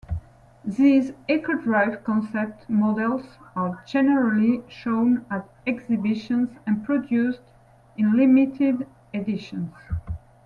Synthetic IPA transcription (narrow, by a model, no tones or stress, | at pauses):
ðizɛkədɹaɪvkɔ̃nsɛp̚tmɔdɛlˠzəd͡ʒɛnəɹaliʃõnæt | ɛɡzɪbɪʃə̃nzɛ̃npʰɹɔdjust | ɪ̃nlimitʰɪd | ɛdɪʃə̃nz